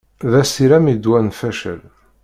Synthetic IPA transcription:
ðæsiɾæmid̪wænfæʃə̰l

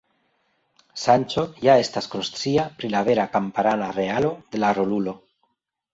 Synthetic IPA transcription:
sant͡ʃo̞jae̞stasko̞nstɾiapɾilave̞ɾakampaɾanaɾe̞alo̞d̪e̞laɾo̞lulo̞

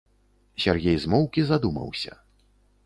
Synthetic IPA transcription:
sʲarɣʲɛjzmɔwkʲizad̪umɐ̰wsʲɐ̰

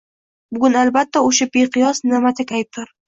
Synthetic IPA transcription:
bʊɡʲʊnalbat̪ʰːaoʃabeqʰɨjɒsnɪmat̪ʰakʲaj̚t̪ʰɪɾ

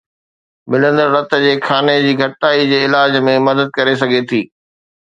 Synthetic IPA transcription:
mɪlə̃nd̪əɾːɐt̪d͡ʑeːxʰaːned͡ʑiːɡʱɐʈʈaːid͡ʑeːɪlaːd͡ʑmẽmɐd̪əd̪̚kɐɾesɐɡʱet̪ʰiː

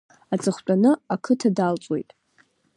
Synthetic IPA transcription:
at͡sʼɨχʷt͡pʷʼanɨakʰɨtʰadalt͡sʼwe̞̰jtʼ

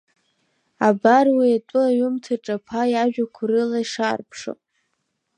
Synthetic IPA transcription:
abarwiatʼʊaɥʊmtʰɨʈ͡ʂʼapʰajaʒᶣakʷʰrɨlaiʂarpʰʂo̰

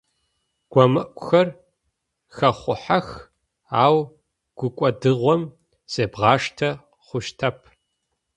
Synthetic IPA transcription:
ɡ̥ʷɔmɨʔʷʼʊxɐr | xɐχʷʊ̰ħax | aːw | ɡ̥ʷʊkʷʼɔdɨʁʷɔm | sʼeːbʁɑːʂtʰɐ | χʷʊʃtʰɐpʰ

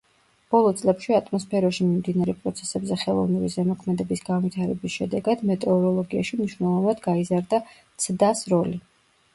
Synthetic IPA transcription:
b̥ɔlˠɔt̪sʼlɛpʃiat̪ʼmɔspʰɛɾaʃimimd̪inaɾɛpʼɾɔt̪sʰɛ̥sɛbzɛχɛlˠɔ̰vnivizɛmɔkʰmɛd̪ɛbisɡanvit̪ʰaɾɛbisʃɛd̪ɛɡad̪mɛt̪ʼɛɔɾɔlˠɔɡiaʃimniʃwnɛlˠɔvnad̪ɡaizaɾd̪a | t̪sʰd̪asɾɔli

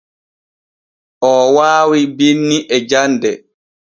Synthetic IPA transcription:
ʔɔːwaːwibinːiʔɛd͡ʒandɛ

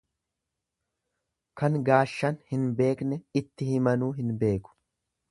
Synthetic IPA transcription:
kɐŋɡaːʃːɐnhɪnbe̞ːknɛɪt̪ːɪhɪmɐnuːɦɪnbe̞ːkʊ̥

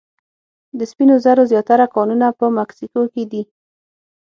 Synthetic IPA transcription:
d̪əspinozaɾozjɑt̪aɾakɑnunapəmaksikoked̪i

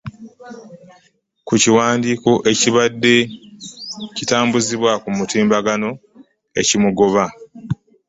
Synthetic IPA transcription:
kuciwaːndiːko̞ʔe̞ciβadːe̞ | citaːmbuziβwakumutiːmbaɡano̞ | e̞̰cimuɡo̞βa

